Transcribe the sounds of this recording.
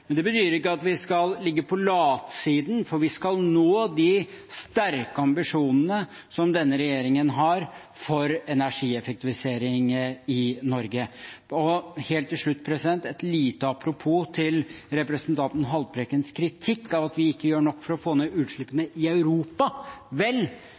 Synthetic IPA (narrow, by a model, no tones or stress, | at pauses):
mɛnd̪ɛbət̪ʰyːɾəɾɪkːəɑt̪ʋɪskɑllɪɡːəpʰɔlɑːt̪siːd̪n̩fɔɾʋɪskɑlnoːd̪ɪ | st̪æɾkəɑmbɪʂuːnənə | sɔmd̪ɛnːəɾɛjeːɾɪŋənɦɑɾ | fɔɾɛnæʂiːɛfɛk̚t̪ɪʋɪseːɾɪŋɪnɔɾɡəɔheːlt̪ʰːɪlʂɭʉt̪ːpʰɾɛsɪd̪ɛnt̪ɛt̪liːt̪əɑpʰɾʊpʰuːt̪ʰɪlɾɛpɾəsənt̪ʰɑnt̪n̩ɦɑlpʰɾekənskʰɾɪt̪ʰɪkːɑʋɑt̪ʋɪɪkːəjøːɳɔkːfɔɾɔfoːneːʉːt̪ʂɭɪpːənəʔɪɑʉɾuːpɑʋɛl